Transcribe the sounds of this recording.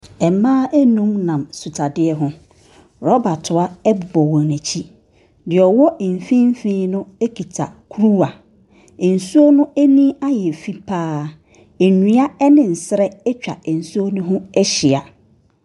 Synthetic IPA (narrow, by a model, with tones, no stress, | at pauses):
ɛ˨mãː˦ʔæ˦nũ˦mnã˨msu˨tʰa˨dɪ˦ɛ˦ɦʊ̃˦ | ɾɔ˦ba˨tʰʊ˨a˦ɛ˦bbɔ˨wɔ̃˨næ˨t͡ɕʰi˦ | dɪ˨ɔ˨wɔ˦˨m̩˨fĩ˦m˦fĩ˦nʊ̃˦e˦kʰi˨tʰa˨kʰu˦ɾu˦a˨ | n̩˨su˦o˦nʊ̃˦e˦nĩ˦a˦jɛ˨fi˦pʰaː˦ | e˨nũ˦a˦ɛ˦nɪ̃˨n̩˨sɪ˦ɾɛ˦ɛ˦t͡ɕᶣa˨ɛ˨n̩˨su˦o˦nʊ̃˦ɦʊ̃˦ɛ˦ɕɪ˨a˨